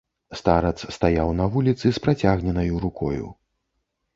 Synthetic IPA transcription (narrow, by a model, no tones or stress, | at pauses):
st̪aɾɐt̪sst̪ajawnɐvulʲit̪sɨspɾat͡sʲaɣnʲɛnɐjuɾukɔ̰jṵ